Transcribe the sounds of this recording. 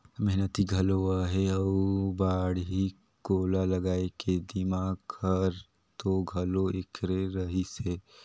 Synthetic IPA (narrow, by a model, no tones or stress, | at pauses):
mɛɦnət̪iɡʱɐloaɦɛɔːbaːɽɦi | koːlalɐɡaːeked̪ɪmaːɡkʰɐɾ | t̪oɡʱɐloekʰɾeɾɐɦiseː